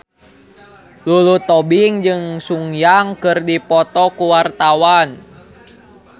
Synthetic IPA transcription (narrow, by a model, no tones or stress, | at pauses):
lulut̪ɔbiŋd͡ʒɨŋsuŋjaŋkɨrdipɔt̪ɔkuwart̪awan